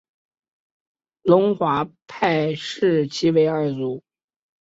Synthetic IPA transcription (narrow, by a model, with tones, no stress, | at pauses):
lʊ˧˥ŋxwa˧˥pʰa˥˧ɪʂɻ̩˥˩t͡ɕʰi˥we˧˥ɪə˞˥˩t͡su˧˥˦